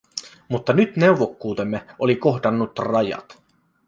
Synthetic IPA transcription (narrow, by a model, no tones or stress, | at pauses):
mut̪ːɑnyt̪ne̞wʋo̞kːuːt̪e̞mːeoliko̞ɦdɑnːut̪rɑjɑ̰t̪